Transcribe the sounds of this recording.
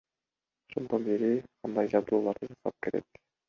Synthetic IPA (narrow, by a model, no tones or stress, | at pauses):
oʃond̪ɑnbiɾiqʰɑnd̪ɑjd͡ʒɑzd̪uːlˠɑɾd̪ɯd͡ʒɑsɑp̚ke̞ɾe̞̰k